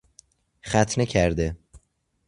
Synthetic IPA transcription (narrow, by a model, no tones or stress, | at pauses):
χæt̪ʰnecʰæɾd̪e